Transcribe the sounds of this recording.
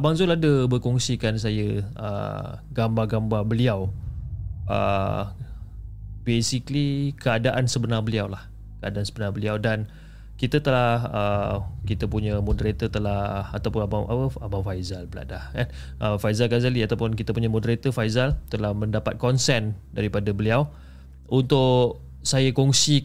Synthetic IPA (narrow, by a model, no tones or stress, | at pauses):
baŋzʊladəbərkɔŋsikans̬ajəə̰ɡambaɡambabəliaw | ʔə̰ | besiklikəadaʔansəbənarbəliawlah | kəadaʔansəbənabəliawdan | kit̪ət̪əlahəkit̪əpuɲəmɔdəɾet̪ət̪əlahat̪awpʊnabaa̰pəabafajzalbəla̰daan | ʔəfajzalɡazaliat̪awpʊnkit̪əpuɲamɔ̃dəɾet̪əfajzalt̪əlahmə̃ndapat̪̚kɔnsɛndaɾipadabəliaw | unt̪ʊʔʔ | sajakɔŋsi